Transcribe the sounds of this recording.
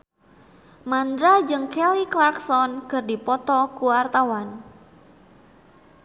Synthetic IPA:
mand̪ɾad͡ʒɨŋkɛliklarksɔnkɨrdipɔt̪ɔkuwart̪awan

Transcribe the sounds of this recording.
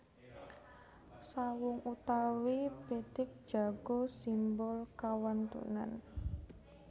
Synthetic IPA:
sawʊŋut̪awipet̪ɪk̚d̥d͡ʒ̥a̤ɡ̥osimbɔlkawant̪ṵna̰n

